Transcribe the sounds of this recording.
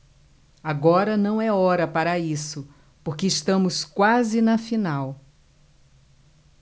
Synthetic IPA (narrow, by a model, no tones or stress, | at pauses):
aɡɔɾɐnɐ̃w̃ɛɔɾɐpaɾɐisʊ | poɾkeɪʃt̪ɐ̃mʊskwazɪnɐfinaw